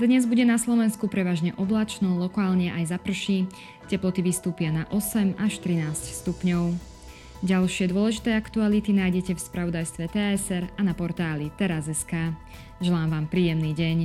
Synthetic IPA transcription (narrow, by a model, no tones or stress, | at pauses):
d̪ɲɛzbuɟɛnaslɔʋɛnskupɾɛʋaːʒɲɛʔɔblat͡ʃnɔlɔkaːlɲɛʔajzapr̩ʃi | cɛplɔt̪iʋist̪uːpɪanaʔɔsɛmaʃt̪ɾinaːscst̪upɲɔʊ | ɟalʃɪɛd̪ʊɔlɛʒit̪ɛːakt̪ualit̪inaːjɟɛcɛfspɾaʋɔd̪ajst̪ʋɛt̪ɛɛsɛɾanapɔɾt̪aːlit̪ɛɾazɛskaː | ʒɛlaːmʋaːmpɾiːjɛmniːɟɛɲ